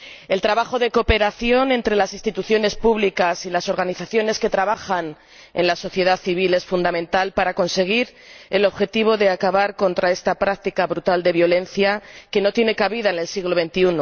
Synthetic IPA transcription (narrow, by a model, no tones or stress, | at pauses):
e̞lt̪ɾaβaxo̞ðe̞ko̞pe̞ɾaθjo̞nẽ̞nt̪ɾe̞lasinst̪it̪uθjo̞ne̞spuβlikasilaso̞ɾɣaniθaθjo̞ne̞ske̞t̪ɾaβaxan | e̞nlaso̞θje̞ð̞aθiβ̞ile̞sfund̪amẽ̞nt̪alpaɾako̞nse̞ɣ̞iɾ | e̞lo̞βxe̞t̪iβ̞o̞ðe̞akaβaɾko̞nt̪ɾae̞st̪apɾak̚t̪ikaβɾut̪ald̪e̞βjo̞le̞nθjake̞no̞t̪je̞ne̞kaβiðaene̞lsiɣlo̞βe̞nt̪iuno